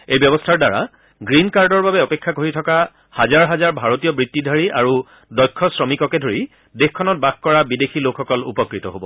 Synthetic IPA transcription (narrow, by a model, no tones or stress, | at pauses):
ejbjɔbɔstʰaɹdaɹa̰ | ɡɹinkaɹdɔɹbabɛɔpekʰːakoɹitʰɔka | hazaɹɦazaɹbʱaɹotijɔbɹitːidʱaɹiʔa̰ɹu | dɔjkʰːɔsɹɔmikɔkɛdʱoɹi | dexkʰːɔnɔt̚bax̚kɔɹabidexʰilokʰːɔkɔlṵpɔkɹitɔ̰ɦobɔ